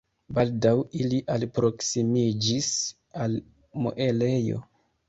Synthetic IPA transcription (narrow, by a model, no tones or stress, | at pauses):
baldawiliʔalpɾo̞ksimid͡ʒis | al | mo̰ʔele̞jo̞̰